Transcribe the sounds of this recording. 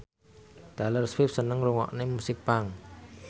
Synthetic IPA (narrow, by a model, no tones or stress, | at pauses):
d̥alərswɪp̚sənəŋɾuŋɔ̰ʔnemusɪk̚paŋ